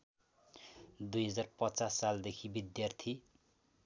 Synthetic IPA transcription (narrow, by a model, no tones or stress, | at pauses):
d̪ujɦʌd͡zarpʌt͡sasːald̪ekʰibid̪jart̪ʰi